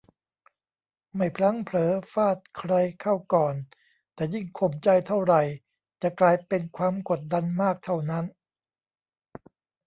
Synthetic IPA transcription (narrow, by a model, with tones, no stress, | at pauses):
ma˥˩jpʰɾa˦˥ŋpʰlɤː˨˦faː˥˩t̪̚kʰɾa˧jkʰa˥˩wkɔː˨˩n | t̪ɛː˨˩ji˥˩ŋkʰo˧˩mt͡ɕa˧jt̪ʰa˥˩wɾa˨˩j | t͡ɕa˨˩klaː˧jpe˧nkʰwaː˧mko˨˩t̪̚da˧nmaː˥˩k̚t̪ʰa˥˩wna˦˥n